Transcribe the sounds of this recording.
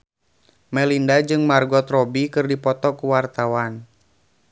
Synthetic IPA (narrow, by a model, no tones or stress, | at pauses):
mɛlindad͡ʒɨŋmarɡɔt̪rɔbikɨrdipɔt̪ɔkuwart̪awan